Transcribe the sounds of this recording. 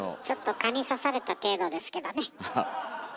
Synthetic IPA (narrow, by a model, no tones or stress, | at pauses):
t͡ɕo̞t̪ːo̞kaɲ̟isasaɾe̞t̪at̪e̞ːd̪o̞d̪e̞sɨ̥ke̞d̪o̞ne̞